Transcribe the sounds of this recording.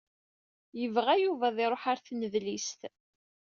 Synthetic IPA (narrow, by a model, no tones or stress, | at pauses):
jəvʁæjuvæðˤɪɾˤoħaɾθnəðlist̪